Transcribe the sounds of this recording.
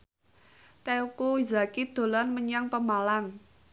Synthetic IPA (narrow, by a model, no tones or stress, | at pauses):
t̪ɛukuizakid̪̥o̤lanməɲaŋpəmalaŋ